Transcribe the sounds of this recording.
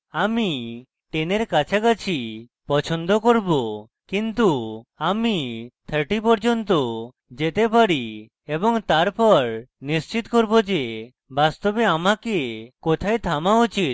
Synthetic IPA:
ami | ʈeneɾkat͡ʃʰakat͡ʃʰi | pɔt͡ʃʰond̪okoɾbo | kint̪uamit̪ʰəɾʈipɔɾd͡ʒont̪o | d͡ʒet̪epaɽi | ebɔŋt̪aɾpɔɾnist͡ʃit̪koɾbod͡ʒe | bast̪obeamakekot̪ʰajt̪ʰamaut͡ʃit̪̚

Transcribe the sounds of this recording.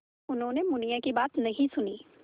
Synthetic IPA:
ʊnɦõːnemʊnijakibaːt̪nɐɦĩsʊniː

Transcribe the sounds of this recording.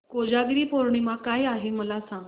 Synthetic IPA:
kod͡ʑaɡɾiːpoɾɳ̃imãkajaɦeməlasãŋ

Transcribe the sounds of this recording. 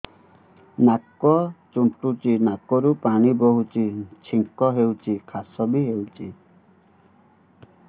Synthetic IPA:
nakɔt͡ʃuɳʈut͡ʃinakɔɾupaɽ̃ibɔɦut͡ʃit͡ʃʰiŋkɔɦewt͡ʃikʰasɔbiɦewt͡ʃi

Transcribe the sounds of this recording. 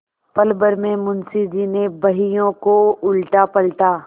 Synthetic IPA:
pɐlbəɾmẽmʊnsid̪inebɐɦijõkoʊlʈapɐlʈaː

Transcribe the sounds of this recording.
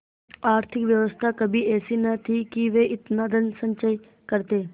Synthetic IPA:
aːɾt̪ʰɪkʋjɐʋəst̪ʰakɐbʱiɛːsinɐt̪ʰikiʋeːʔɪt̪naːd̪ənsə̃ɲt͡ʃəi | kəɾt̪eː

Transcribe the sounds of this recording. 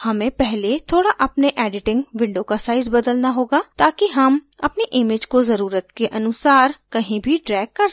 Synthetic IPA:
hɐmẽpɛɦlet̪ʰoːɽaʔɐpneʔɛːɖɪʈɪ̃ŋɡʋɪ̃ɳɖokasaːɪzbəd̪əlnaɦoːɡaːt̪aːkiɦəm | ɐpneʔɪmeːd͡ʒkozəɾuːɾət̪keʔɐnʊsaːɾkɐɦĩbʱiɖɾɛːɡ̚kːəɾ

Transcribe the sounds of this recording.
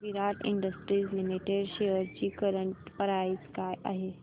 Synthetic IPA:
ʋiɾaʈḭɳɖəsʈɾiːzlimiʈeɖɕeəɾt͡ɕiːkəɾəɳʈpəɾait͡skajʔa̰ɦe

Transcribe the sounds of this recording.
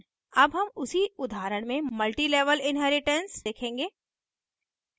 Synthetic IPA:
ɐbɦɐmʊsiʊd̪ʱaːɾəɽ̃mẽmɐlʈileːʋəlɪ̃nɦɛːɾɪʈẽnsd̪eːkʰẽːŋɡeː

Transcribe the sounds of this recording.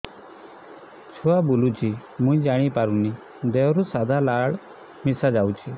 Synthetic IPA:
t͡ʃʰuabulut͡ʃʰimũĩd͡ʒaɽ̃ipaɾũni | d̪eɔɾusad̪ʱalaɭ | misad͡ʒaut͡ʃʰi

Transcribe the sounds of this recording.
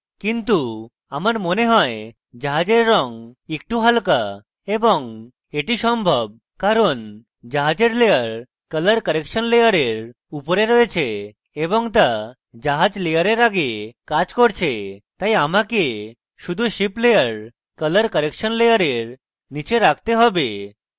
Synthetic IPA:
kint̪u | amaɾmoneɦɔe | d͡ʑaɦad͡ʑeɾːɔŋek̚ʈuɦalka | ebɔŋ | eʈisɔmbʱɔb̚ | kaɾɔn | d͡ʑaɦad͡ʑeɾlejəɾ | kələɾkəɾekʃənlejəɾeɾ | upɔɾeɾɔet͡ɕʰeː | bɔŋt̪̬a | d͡ʑaɦad͡ʑlejaɾeɾaɡekad͡ʑkɔɾt͡ɕʰet̪ajamake | ʃud̪ʱuʃiplejəɾ | kələɾkəɾekʃɔnlejaɾeɾ | nit͡ɕeɾak̚ʰt̪eɦɔbe

